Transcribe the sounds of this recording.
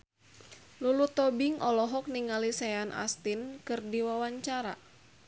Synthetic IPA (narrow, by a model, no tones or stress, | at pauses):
lulut̪ɔbɪŋɔlɔɦɔk̚niŋalisɛanʔa̰st̪inkɨrdiwawaɲt͡ʃaɾa̰